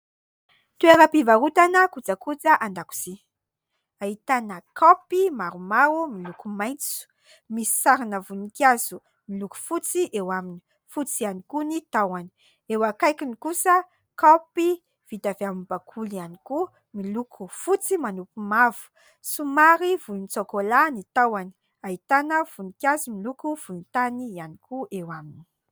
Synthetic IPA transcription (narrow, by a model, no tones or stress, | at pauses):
t̪ueɾəpivaɾut̪anəkud͡zakud͡zəʔand̪aku̥z̥i | aɦit̪anəkopimaɾumaɾumilukumajnt͡su̥ | misi̥saɾinavunikaz̥u | miluku̥fut͡siʔewamini̥ | fut͡sianikunit̪awani̥ | ewakajkinikusə | kapi | v̥id̪avamibakʰulianiku | milukʰufut͡simanupumavu̥ | sumaɾivunt͡sokolanit̪awani̥ | ait̪anəv̥unikʲazumilukuv̥uint̪anianikuʔewamini̥